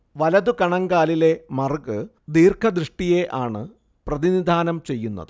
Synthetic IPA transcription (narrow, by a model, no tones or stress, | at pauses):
ʋɐlɐðukɐɳɐŋɡaːlile̞mɐrɡɨ | d̪iːrkʰɐd̪ɾɨʂʈije̞ʔaːɳɨ | prɐðinid̪ʱaːnɐmt͡ɕe̞jːunːɐ̰ðɨ